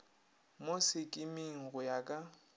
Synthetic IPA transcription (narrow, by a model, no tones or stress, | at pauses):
mosɪkʼɪmiŋ̩ɣʊjakʼa